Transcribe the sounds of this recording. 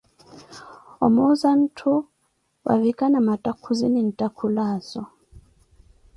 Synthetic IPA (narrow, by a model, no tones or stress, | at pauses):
ɔ̰mɔzan̩tʰu | wa̰vikanamatʼakʰuzinin̩takʰulaːzɔ